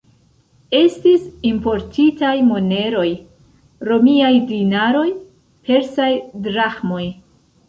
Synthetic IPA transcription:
e̞stisimpo̞ɾtʰitajmo̞ne̞ɾo̞j | ɾo̞miajdinaɾo̞j | pʰe̞ɾsajdɾaxmo̞j

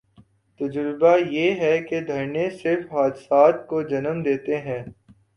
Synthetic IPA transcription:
t̪ɐd͡ʒɾɪbajeːɦɛked̪ʱɐɾnesɪɾfɦaːd̪ɪsaːt̪̚kod͡ʒɐnəmd̪eːt̪eɦɛ̃ː

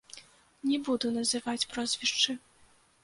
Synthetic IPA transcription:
nʲɛbud̪unɐzɨvat͡sʲpɾɔzʲvʲiʂt͡ʂɨ

